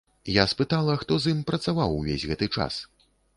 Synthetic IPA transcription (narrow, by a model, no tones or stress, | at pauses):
jaspɨt̪alˠɐxt̪ɔzimpɾɐt̪savawvʲḛzʲɣɛt̪ɨt͡ʂa̰s